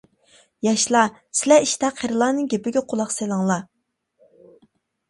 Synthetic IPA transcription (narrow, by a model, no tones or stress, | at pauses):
jɑʃlˠɑsɪlɛiʃt̪ɛqʰeɾɨlˠɑːnɨŋɡʲepɪɡʲɛqʰolˠɑqselˠɨŋlˠɑ